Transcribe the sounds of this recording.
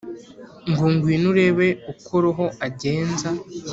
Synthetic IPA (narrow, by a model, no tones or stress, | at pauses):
ŋɡuːŋɡwiːnuɾe̞βe̞ukʰoɾoɦo̞aɟe̞ːnza